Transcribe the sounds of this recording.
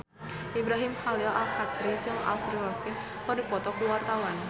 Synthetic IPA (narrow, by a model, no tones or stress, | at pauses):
ʔibɾaɦimxalɪla̰lkat̪ɾit͡ʃɨŋa̰lfɾilafɪn | kɔrdipɔt̪ɔkuwart̪awan